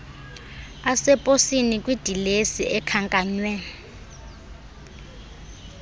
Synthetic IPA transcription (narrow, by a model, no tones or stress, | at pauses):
asɛpʼosinikʼwid̥ʱilesiʔɛkʰaŋkʼaːɲwɛ